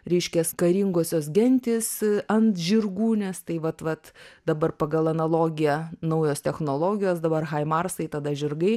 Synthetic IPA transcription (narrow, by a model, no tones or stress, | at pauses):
ɾʲɛɪʃʲkʲɛskɐɾʲiŋɡoːsʲoːs̬ɡʲɛnʲt̪ʲɪːsɐnt̪ʒʲɪrɡuːnʲɛst̪ɐɪʋɐt̪ʋɐt̪d̪ɐbɐrpɐɡɐlˠɐnɐlˠoːɡʲɪjɛnɐʊjoːst̪ʲɛxnoːlˠoːɡʲɪjoːsd̪ɐbɐrxɐɪmɐrsɐɪt̪ɐd̪ɐʒʲɪrɡɐɪ